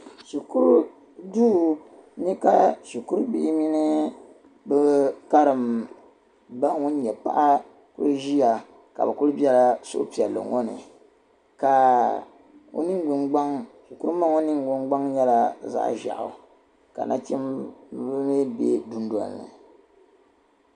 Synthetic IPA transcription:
ʃi˨ku˦ɾu˦ | duː˦ɲɛ˦ka˦ʃi˨ku˦ɾbi˦ʔɪ˦mi˦nɨ˦ | bɨ˦ka˦ɾɨ˨m | ba˦ŋʊ˦n˦ɲɛ˨pa̰˦ʔa˦ | kʊ̰˦ɾʒi˦ja˨ | ka̰˨bɨ˨kʊ˦ɾbi˦ɛ˦la˦so˦ʔpi˨ɛ˨lːɨ̰˨ŋɔ˦nɨ̰˨ | ka˨ | o̰˦nɨ˦ŋ˦ɡʊ˨nɡ͡ba˦ŋʃi˨ku˦ɾɨ˦ma˦ŋo˦nɨ˦ŋ˨ɡʊ˦nɡ͡ba˦ŋɲɛ˦la˨za̰˦ʔʒa̰˨ʔʊ̰˨ | ka̰˨na˦t͡ʃɛ˦mbme˦bḛ˦du˦n˦da̰˨nːɨ̰˨

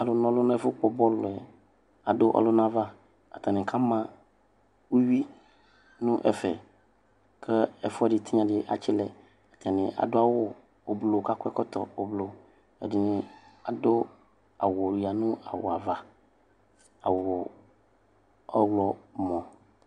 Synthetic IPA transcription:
a˨lʊ˨nɔ̃˨lʊ˦ñ˦ɛ˦fʊ˦k͡pɔ˨bɔ˦lʊ˨ɛ˨ | a˨dʊ˦ʔɔ̰˨lʊ˦n˦ã˦va˦ | a̰˨t̪a˨nɪ̃˨kʰa˦mã˦ | wu˦ɥi˦ | nũ˦ʔɛ˨fɛ˨ | kʰɛ˦ɛ˨fʊ˦ɛ˦dɪ˨t̪ʰi˦ɲã˨dɪ˦ʔa̰˨t͡ʃɪ˦lɛ˨ | a˨t̪a˨nɪ̃˨ʔa̰˨dʊ˦a˦wɔ˦ | o˨blo˨ka˦kʷɛ˦kɔ˦t̪ɔ̰˨o˨blo˨ | ɛ̰˨dɪ˨nɪ̃˨a˨dʊ˦ | a̰˨wli˨a˨nʊ̃˦a̰˨wo˨a˨va˨ | a˨wɔ˨ | ɔ˦wlɔ˨mɔ̃˨

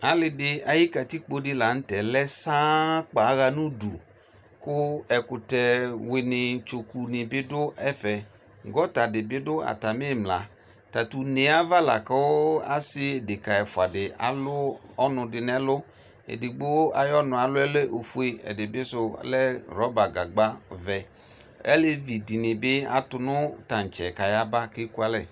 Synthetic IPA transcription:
a˨lɪ˨dɪ˨a˨ji˦ka˨ti˦k͡po˨˦dɪ˦la˨n̩˦tɛ˨lɛ˦sa˦k͡pa˨˦ɣa˦nũ˦dṵ˨ | kʊ˦ɛ˨kʊ˨tɛ˨wɪ˨nɪ˨t͡ʃo˨ku˨nɪ˨bɪ˦dʊ˦ɛ˦fɛ˨ | ŋɡɔ˦ta˨dɪ˨bɪ˦dʊ˦a̰˨ta˨mɪ˦˨mla̰˨ | ta˨tu˨nɪ˨a˦va˦la̰˨ka˦wa̰˦sɪ˦e˨dɪ˨ka˨ɛ˨fʊ˨a˨dɪ˨a̰˨lʊ˦ɔ˦nʊ˧dɪ˨nɛ˦lʊ˦ | ḛ˨dɪ˨ɡ͡bʊ˦a̰˨jɔ˦nʊ̃˨a˨lʊ˦ɛ˦lɛ˦ʔo˨fu˦e˦ɛ̰˨dɪ˨bɪ˦sʊ̰˦lɛ˦ɾɔ˦ba˨ɡa˨ɡ͡ba˦vɛ˨ | ɛ̰˦lɪ˦vi˨di˨nɪ˨bɪ˦a̰˨˦tʊ˧nʊ˦ta˨n̩˨t͡ʃɛ˨ka˨ja˦ba˦kɪ˦ku˦a˦lɛ˦˨

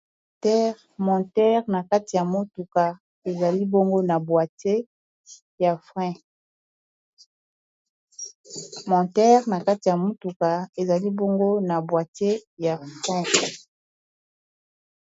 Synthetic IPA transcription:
tɛ˦ʁ | mɔ̃˨tɛ˦ʁna˨ka˦ti˨ja˨mo˦tu˨ka˨ | e˨za˨li˦bo˦ŋɡo˦na˨bwa˨te˦ | ja˨fʁɛ̃˦ | mɔ̃˨tɛ˦ʁna˨ka˦ti˨ja˨mo˦tu˨ka˨e˨za˨li˦bo˦ŋɡo˦na˨bwa˨te˦ja˨fʁɛ̃˦

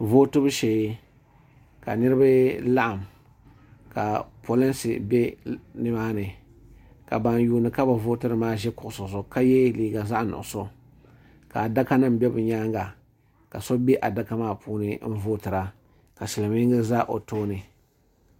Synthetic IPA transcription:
voː˦tɨ˦bɨ˦ʃɛ˨˦ | ka̰˨nɨ˦ɾɨ˦ba˦la˦ʔa˨m | ka̰˨pʰo˨lɛ˦nsɨ̰˨bɛ˦nɨ˨maː˦nɨ˨ | ka̰˨ba˨njuː˨nɨ˨ka˦ba˨voː˦tɨ˦ɾɨ˨maː˦ʒɛ˦kʊ˨ʔʊ˨sʊ˨zʊ˨ka˦jɛ˦liː˦ɡa˨za˦ʔnʊ̰˨ʔʊ˨so˦ | ka˨da˦ka˦nɨ˦m˦bɛ˦bɨ˨ɲaː˦ŋɡa˨ | ka˨so˦bɛ˦ʔa˨da˦ka˦maː˦˨pʰuː˦nɨ˦n̩˦voː˦tɨ˨ɾa˨ | ka˨sɪ˨lɨ˨mi˦ŋɡɨ˦za˦ʔo̰˨toː˦nɨ˨

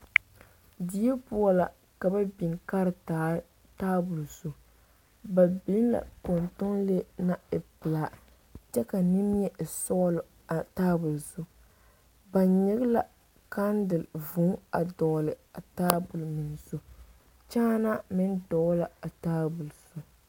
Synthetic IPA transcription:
di˦ɛ˦pu˦a˦la̰˨ | ka˨ba˦bi˨ŋka˦ɾɨ˨ | taː˦bʊ˨lso˨ | ba˨bi˦n˦la̰˨ko˨ntʊ˦ŋle˦na˦ɪ˨pɪ˨laː˨ | t͡ʃɛ˦ka˨nɪ˦m˦ɲɛ˦˨sɔ˦l | a˨taː˦bʊ˨lso˦ | ba˨ɲɪ˦ɣla̰˨ | ka˦ndɨ˨lvʊ˨˦a˨dɔ˨lɨ˨a˨taː˦bʊ˨lmɪ˨n˨so˨ | t͡ʃaː˦na˦mɪ˦ndɔ˨ɣla˨a˨taː˦bʊ˨lsʊ˨

